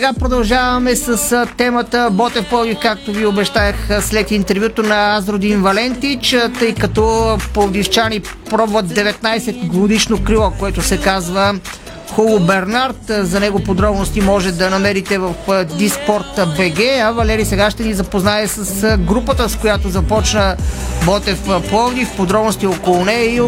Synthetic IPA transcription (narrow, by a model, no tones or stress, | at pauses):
ssɛɡapɾod̪ɐlˠʒavɐmɛsəsət̪ɛmət̪əbɔt̪ɛfpɤlˠɡ̪ifkak̚t̪oviobɛʃt̪aəxslɛt̪int̪ɛɾvʲjut̪onɐazɾod̪invɐlɛnt̪it͡ʃt̪ɤjkɐt̪ɔpod̪ift͡ʃanipɾɔbvət̪̚d̪ɛvɛt̪najsɛt̪ɡod̪iʃnokɾilˠɔkoɛt̪ʊsɛkazvə | xolˠʊbɛɾnaɾt̪zɐnɛɡopod̪ɾɔbnost̪imɔʒɛd̪ɐnɐmɛɾit̪ɛvəfəd̪ispɔɾt̪bɛɡɛɐvɐlɛɾisɛɡaʃt̪ɛnizɐpoznaɛsəsɡɾupət̪əskojat̪ozɐpɔt͡ʃnəbɔt̪ɛfplˠɔvd̪ifpod̪ɾɔbnost̪iɔkolˠʊnɛi